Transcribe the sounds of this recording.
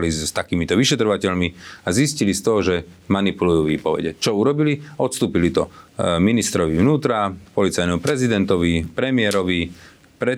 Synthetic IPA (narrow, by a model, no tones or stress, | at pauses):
list̪akiːmit̪ɔʋiʃɛt̪ɾɔʋacɛʎmiaziscilist̪ɔɦɔʒɛmanipulujuːʋiːpɔʋɛ̰ɟɛt͡ʃɔuɾɔbiliɔt̪st̪uːpilit̪ɔminist̪ɾɔʋiʋnuːt̪ɾapɔlit͡sajnɛmupɾɛzid̪ɛnt̪ɔʋipɾɛmɪɛɾɔʋi | pɾɛ